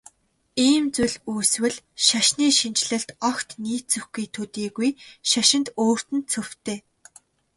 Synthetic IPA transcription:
iːmt͡suɮuːswɘ̆ɮʃaʃniːʃint͡ɕɮɘ̆ɬt̪ɔkt̪niːt͡sɵxɡiːt̪ʰɵt̪iːɣujʃaʃɪ̆nt̪oːr̥t̪ɘ̆nt̪̚t͡sʰɵw̥t̪eː

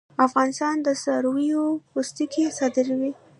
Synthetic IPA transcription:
afɣɑnɪst̪ɑnd̪əsɑɾwijopust̪ikesɑd̪ɪɾwi

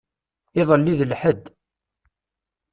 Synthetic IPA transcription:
ɪðˤəlːiðəlħəd̪

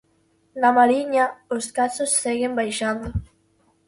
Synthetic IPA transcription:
namaɾiɲaoskasosːeɣembajʃand̪o

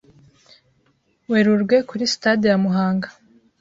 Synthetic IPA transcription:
weɾuɾɡwe̞kuɾisi̥tadijamuɦaːŋɡa

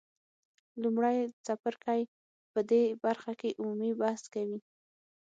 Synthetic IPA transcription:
lumɽajsapaɾkaj | pəd̪ebaɾxakeʔumumibaskawi

